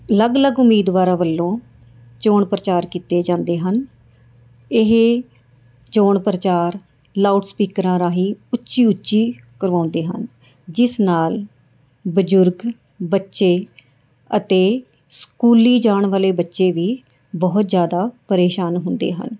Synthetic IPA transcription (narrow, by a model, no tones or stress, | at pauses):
ləɡləɡʊmːiːd̪ʋaːɾãːʋəlːõː | t͡ʃoːɳpɾət͡ʃaːɾkiːt̪eːd͡ʒãːnd̪eːɦən | ɪɦ | t͡ʃoːɳpɾət͡ʃaːɾ | laːuʈspiːkəɾãːɾaːɦiːʊtːʃiːʊtːʃiː | kəɾʋãːnd̪eːɦə̰n | d͡ʒɪsnaːl | bəd͡ʒʊɾɡ | bətːʃeː | ət̪eː | skuːliːd͡ʒaːɳʋaːleːbətːʃeːʋiː | bɔɦʊt̪zjaːd̪aːpəɾeːʃaːnɦʊnd̪ḛːɦə̰n